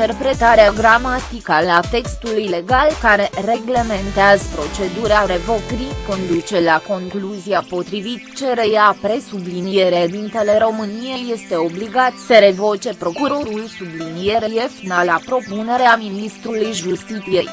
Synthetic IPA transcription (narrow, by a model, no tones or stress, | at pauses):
t̪erpɾe̞t̪aɾeaɡɾamat̪ikaat̪e̞kst̪ulujle̞ɡalkaɾe̞re̞ɡle̞me̞nt̪eazəpɾo̞t͡ʃe̞d̪uɾeaɾe̞vo̞kɾiko̞nd̪ut͡ʃe̞lako̞ŋkluziapo̞t̪ɾivit̪t͡ʃe̞ɾe̞japɾe̞sublinije̞ɾee̞d̪int̪e̞le̞ɾo̞mɨnijeje̞st̪e̞o̞bliɡat̪səɾe̞vo̞t͡ʃe̞pɾo̞kuɾo̞ɾulsublinije̞ɾeje̞finalapɾo̞pune̞ɾeaminist̪ɾulujʒust̪it̪sije̞j